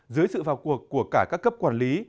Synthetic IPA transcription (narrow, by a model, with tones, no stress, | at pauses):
zɨ˨˦jsɨ̰˧˨vaː˨˩wku˨˩əkːu˧˩əkaː˧˩kaː˦˥kːə˦˥p̚kwaː˧˩nli˨˦